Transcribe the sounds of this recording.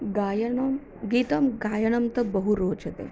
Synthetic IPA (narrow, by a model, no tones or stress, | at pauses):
ɡajɐɳɐm | ɡiːt̪ɐmɡaːjɐɳɐmt̪ɐbəɦuɾoːt͡ʃɐt̪ḛ